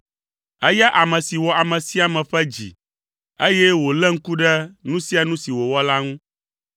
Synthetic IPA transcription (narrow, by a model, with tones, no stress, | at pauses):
ɛ˦ja˦ʔa˨mɛ̃˨si˨wɔ˨a˨mɛ̃˨si˦a˨mɛ̃˨ɸɛ˦d͡ʑḭ˨ | e˦jɛ˦wo˨lɛ˦ŋ̩˦ku˦ɖɛ˦nũ˦si˦a˨nũ˦si˨wo˨wɔ˦la˦ŋũ˦